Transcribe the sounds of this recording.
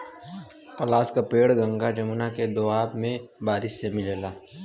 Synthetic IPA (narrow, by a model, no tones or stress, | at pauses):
pɐlaːskapeːɽɡə̃ŋɡad͡ʒɐmʊnaked̪oaːbmẽbaːɾɪʃsemɪlelaː